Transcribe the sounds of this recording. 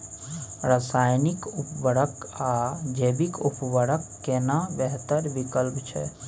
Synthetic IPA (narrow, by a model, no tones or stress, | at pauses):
ɾasajnikupbəɽəkad͡ʒebikupbəɽəkːenabɛɦt̪əɾbikəlpt͡ʃʰɛ̰